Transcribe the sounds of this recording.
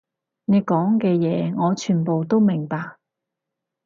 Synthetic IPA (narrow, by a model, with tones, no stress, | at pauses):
ne˨˧jkɔː˨˥ŋkɛː˧jɛː˨˧ŋɔː˨˧t͡ʃʰyː˨˩npo˨wt̪o˥wmɪ˨˩ŋpaː˧k̚